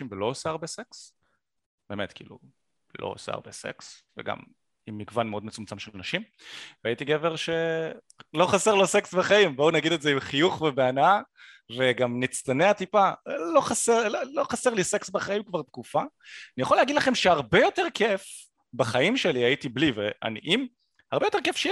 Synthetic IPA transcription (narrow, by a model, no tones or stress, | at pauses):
imvelo̞osaaʁbeseks | b̥emet̪kḭːlṵ | lo̰o̰sa̰a̰ʁbe̞̰se̞̰ksvḛɡa̰m | imːiɡvanmeo̞d̪met͡sumt͡samʃelnaʃim | veait̪iɡe̞ve̞ʁʃe̞ | lo̞χaseʁloseksbaχaimbounaɡid̪ezeimχijuχvebeana | ve̞ɡamnit͡st̪aneat̪ipalo̞χaselolo̞χaseʁliseksbaχaimkvaʁt̪kufaanijaχoleaɡid̪laχe̞mʃeaʁbejo̞te̞ʁkʰef | baχaimʃeliajitiblivea̰niʔim | haʁbe̞jo̞te̞ʁkefʃe